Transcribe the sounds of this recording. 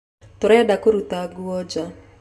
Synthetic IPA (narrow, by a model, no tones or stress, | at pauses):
t̪ʊɾajadakoɾut̪aɡuɔd͡ʒa